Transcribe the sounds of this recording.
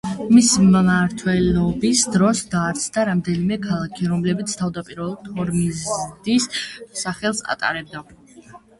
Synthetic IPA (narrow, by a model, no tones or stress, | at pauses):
mismːaɾt̪ʰwɛlɔbisd̪ɾɔsd̪aːɾt̪sʰnaɾamd̪ɛnimɛkʰalˠakʰiɾɔmlɛbit̪sʰt̪ʰavd̪apʼiɾvɛlˠuɾt̪ʰɔɾmizd̪isːaχɛlˠsa̰t̪ʼa̰ɾɛb̚d̪a